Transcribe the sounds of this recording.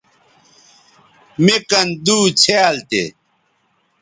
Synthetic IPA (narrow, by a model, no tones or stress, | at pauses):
mekɐnd̪uːt͡ɕʰealt̪ḛ